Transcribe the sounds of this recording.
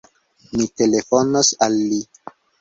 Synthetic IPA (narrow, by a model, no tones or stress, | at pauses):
mite̞lefonosalːi